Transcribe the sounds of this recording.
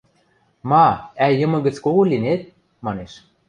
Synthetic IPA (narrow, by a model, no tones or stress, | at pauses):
mɑæjɤ̆mɤ̆ɣə̆t͡skoɣolʲinet̪̚ | mɑneʃ